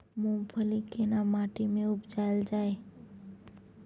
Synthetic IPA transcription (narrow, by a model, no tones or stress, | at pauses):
mũmpʰəlikenamaːʈimẽʊpd͡ʒald͡ʒaːe